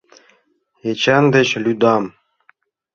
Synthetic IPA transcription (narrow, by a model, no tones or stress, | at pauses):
et͡ɕænd̪ɘ̆ɕlʲyd̪ɑm